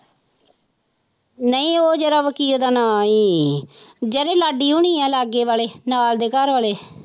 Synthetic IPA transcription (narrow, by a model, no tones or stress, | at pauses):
nəĩːoːd͡ʒeːɾaːʋəkiːld̪aːnaːiː | d͡ʒəɾeːlaːɖiːuɳiːɛːlaːɡeːʋaːleːnaːld̪eːkəɾʋaːleː